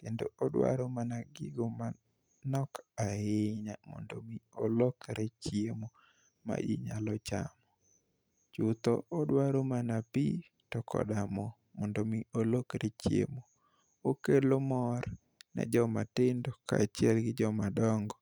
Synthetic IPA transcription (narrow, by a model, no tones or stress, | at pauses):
kendo̰odwa̰ɾomanaɡɪɡoma | nɔkaɪɲamɔ̰ndomiolokɾet͡ʃjemo | ma̰d͡ʒḭɲalɔt͡ʃa̰mɔ | t͡ʃut̪ɔodwaɾomanapi | tɔkɔ̰damɔ | mɔndomiolokɾet͡ʃjḛmo | okelomɔɾ | nɛ̰d͡ʒɔmatɪndoka̰ːt͡ʃiɛlɡɪd͡ʒɔmadɔŋɡɔ